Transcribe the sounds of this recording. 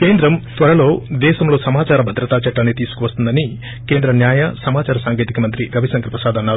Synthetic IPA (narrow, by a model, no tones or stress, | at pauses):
keːnd̪ɾɐmt̪ʋɐɾɐlo̞ːd̪ɛːʃɐmlo̞ːsɐmaːt͡ʃaːɾɐbʱɐd̪ɾɐt̪aːt͡ʃɐʈːɐnet̪iːsu̥kuʋɐst̪und̪ɐni | keːnd̪ɾɐnjaːjɐsɐmaːt͡ʃaːɾɐsaːŋɡeːt̪ikɐmɐnt̪ɾiɾɐʋisɐŋɡɐɾpɾɐsaːd̪ɐnːaːɾu